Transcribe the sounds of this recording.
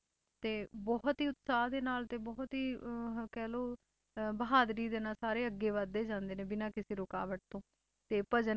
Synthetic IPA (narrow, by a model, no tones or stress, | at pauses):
t̪eːbɔɦt̪ɦiːʊt̪saːɦd̪eːnaːlt̪eːbɔːt̪ɦiːkɛːloː | bəɦaːd̪ɾiːd̪eːnaːlsaːɾeːəɡːeːʋad̪ːeːd͡ʒãːnd̪eːnẽːbɪnaːkɪseːɾʊka̰ːʋəʈ̚t̪õː | t̪eːpəd͡ʒə